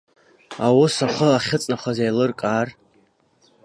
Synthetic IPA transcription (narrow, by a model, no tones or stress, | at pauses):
awʊsaχəaχʲɪt͡sʼnaχʷazajlɨrkʼar